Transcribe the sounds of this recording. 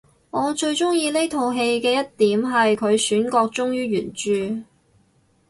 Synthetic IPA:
ŋɔː˨˧t͡ʃɵ˧ɥt͡ʃʊ˥ŋjiː˧le˥t̪ʰo˨˧wɦe˧jkɛː˧jɐ˥t̚t̪iː˨˥mɦɐ˨jkʰɵ˨˧ɥsyː˨˥nkɔː˧k̚t͡sʊ˥ŋjyː˥ɥyː˨˩nt͡ʃyː˨˧

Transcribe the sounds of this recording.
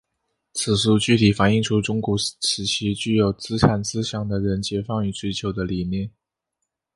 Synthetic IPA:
t͡sʰɹ̩˨˩ʂu˥˧t͡ɕy˥˩t̪ʰi˨˩fa˨˧˥ni˥˧ŋʈ͡ʂʰu˥ʈ͡ʂʊ˥ŋkwɔ˧˥ʂɻ̩˧˥t͡ɕʰi˥t͡ɕy˥˩jo˨˩ʊt͡sɹ̩˥ʈ͡ʂʰa˨˩nt͡sɹ̩˥ɕjɑ˨˩ŋd̪ə˦ɻə˧˥nt͡ɕjɛ˧˥fɑ˥˧ŋy˥˩t͡swe˥ɪt͡ɕʰjo˧˥ʊd̪ə˧li˨˩mjɛ˥˩n

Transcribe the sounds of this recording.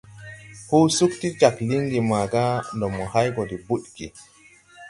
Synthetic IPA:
hu˦su˦kti˦t͡ʃa˨kli˦ŋɡi˨ma˨ɡa˦ndɔ˨mːɔ˨ha˦jɡɔ˨di˨bu˦ɗɡḭ˨

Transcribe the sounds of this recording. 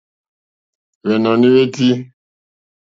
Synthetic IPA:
βɛ˨nɔ̃˨nĩ˦we˦ti˦

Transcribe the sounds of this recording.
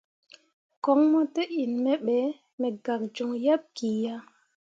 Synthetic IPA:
kɔ˦ŋmɔ˦te˦i˨nmɛ˦ɓɛ˨˦ | mɛ˨ɡa˨k̚d͡ʒu˨ŋja˦p̚ki˨ja˦

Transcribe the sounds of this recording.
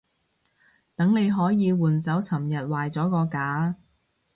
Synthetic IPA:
t̪ɐ˨˥ŋne˨˧jɦɔː˨˥jiː˨˧wuː˨˩nt͡sɐ˨˥wt͡sʰɐ˨˩mjɐ˨t̚waː˨jt͡sɔː˨˥kɔː˧kaː˨˥

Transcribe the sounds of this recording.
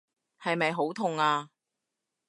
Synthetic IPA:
hɐ˨jmɐ˨jɦo˨˥wt̪ʰʊ˨ŋaː˧

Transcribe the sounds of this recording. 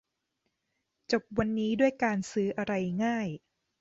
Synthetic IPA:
t͡ɕo˨˩p̚wa˧nːiː˦˥du˥˩əjkaː˧nsɯː˦˥ʔa˧ɾa˧jŋaː˥˩j

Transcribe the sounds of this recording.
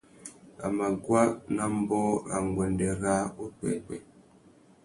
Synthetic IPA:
a̰˨ma˨ɡwa˦na˦m̩˦bɔː˦a̰˨ŋɡwɛ˨ndɛ˨ɣa˦o˦pɛ̰˨kɛ̰˨

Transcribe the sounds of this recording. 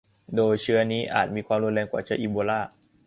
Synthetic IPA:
doː˧jt͡ɕʰɯ˦˥ɐniː˦˥ʔa̰ː˨˩t̪̚miː˧kʰwaː˧mɾu˧˩nɾɛː˧ŋkwaː˨˩t͡ɕʰaː˦˥˩ʔiː˧boː˧laː˥˩

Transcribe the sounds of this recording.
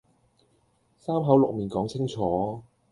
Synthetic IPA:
saː˥mɦɐ˨˥wlʊ˨k̚miː˨nkɔː˨˥ŋt͡sʰɪ˥ŋt͡ʃʰɔː˨˦

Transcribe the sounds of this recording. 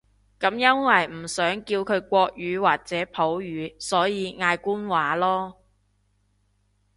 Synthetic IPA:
kɐ˨˥mjɐ˥nwɐ˨jm̩˨˩sœː˨˥ŋkiː˧wkʰɵ˨˧ɥkʷɔː˧k̚jyː˨˧waː˨k̚t͡sɛː˨˥pʰo˨˥wjyː˨˧sɔː˨˥jiː˨˧ŋaː˧jkuː˥nwaː˨˥lɔː˥

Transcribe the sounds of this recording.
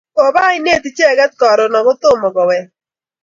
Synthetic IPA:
o˨ba˦ɪ˦ne˦˨t̪ɪ˨t͡ʃɛ˦˨ɡɛ˦t̚kɔ˨ɾɔ˨nɔ˨kʊ˦t̪ʊ˦˨mɔ˨kɔ˨wɛ˨

